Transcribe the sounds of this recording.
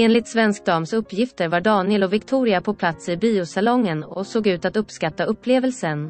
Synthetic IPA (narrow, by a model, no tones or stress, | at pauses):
eːnlɪt̪svɛnsk̚d̪ɑːmsɵpːjɪft̪əɾvaɖɑːnɪɛlɔvɪkt̪ʰuːɾɪapʰɔpʰlat̪sɪbiːʊsalɔŋːənɔsoːɡʉ̟ːt̪at̪ɵpːskat̪ːaɵpːleːvəlsən